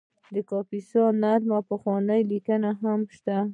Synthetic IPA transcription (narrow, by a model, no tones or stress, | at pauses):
d̪əkɑpisɑnaɾmapəxwɑnəjlikənaɦamʃt̪a